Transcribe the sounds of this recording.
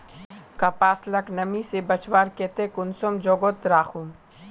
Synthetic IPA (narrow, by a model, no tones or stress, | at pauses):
kapaːslɐknɐmisebɐt͡ʃʋaːɾkeːt̪ekʊnsomd͡ʒoːɡot̪ɾaːxum